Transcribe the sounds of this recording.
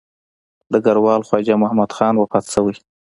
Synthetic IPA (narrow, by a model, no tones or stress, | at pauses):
d̪əɡaɾwɑlxwɑd͡ʒamʊhamad̪xɑnwapɑt̪səwəj